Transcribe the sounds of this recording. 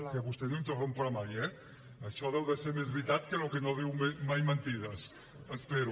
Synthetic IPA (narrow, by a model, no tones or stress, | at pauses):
keβust̪enũŋt̪orompoɾamajɛ | aʃɔðewðeseɾmezβɾit̪at̪̚kelokenoðiwmemajment̪iðɐs | espeɾu